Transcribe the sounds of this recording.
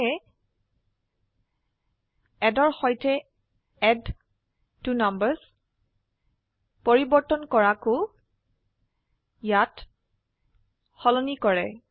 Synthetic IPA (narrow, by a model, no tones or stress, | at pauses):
ɛ | ɛdɔɹxɔjtɛ | ɛd | tunambəɹz | poɹibɔɹtɔnkɔɹakʊ | jat | xɔlɔnikɔɹɛ